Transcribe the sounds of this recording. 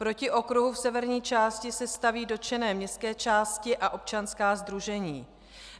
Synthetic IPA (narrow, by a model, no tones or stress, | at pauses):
pɾo̞cɪʔo̞kɾuɦufsɛvɛɾɲiːt͡ʃaːscɪsɛst̪aviːdo̞t͡ʃɛnɛːmɲɛst̪kɛːt͡ʃaːscɪʔaʔo̞p̚t͡ʃanskaːzd̪ɾuʒɛɲiː